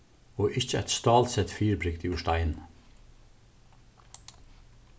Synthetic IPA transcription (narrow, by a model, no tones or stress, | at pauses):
oːʔɪçəæɪt̪st̪ɑːlsɛt̪fiːɹbɹɪk̚t̪iːʊʃt̪æɪn